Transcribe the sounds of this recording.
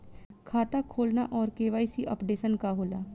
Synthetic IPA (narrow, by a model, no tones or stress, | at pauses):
kʰaːt̪akʰoːlna̰ʔɔːɾkeːʋaːisiʔɔ̰ːpɖeːsənkaɦoːlaː